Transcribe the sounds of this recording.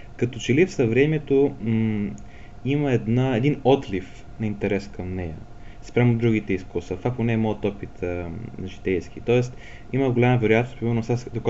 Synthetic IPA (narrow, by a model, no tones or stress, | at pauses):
kɐt̪ot͡ʃɛlifsɐvɾɛmɛt̪o | iməɛd̪naɛd̪inɔt̪lif | nɐint̪ɛɾɛskɐmnɛjə̰ | spɾʲamʊd̪ɾuɡit̪ɛiskusvət̪vaktonɛːmɔət̪ɔpit̪əʒit̪ɛjsk̟it̪ɔɛst̪ | iməɡolʲaməvɛɾojat̪nost̪pɾimɛɾnosasd̪ok